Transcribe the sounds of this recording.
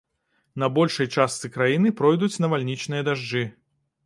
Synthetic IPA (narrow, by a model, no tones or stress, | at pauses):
nɐbɔlʲʂɐjt͡ʂast̪sɨkɾajinɨpɾɔjd̪ut͡sʲnɐvalʲnʲit͡ʂnɨjɐd̪aʐd͡ʐɨ